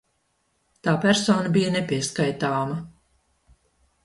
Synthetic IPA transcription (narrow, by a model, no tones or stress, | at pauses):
t̪aːpæɾsɔːnɐbijɐnɛpʲiɛskajt̪aːmɐ